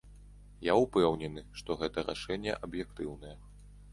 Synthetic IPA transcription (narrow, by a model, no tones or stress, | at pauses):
jaupɛwnʲɛnɨʂt̪ɔɣɛt̪ɐɾa̰ʂɛnʲːɛ̰ʔɐbjɛk̚t̪ɨwnɐjɛ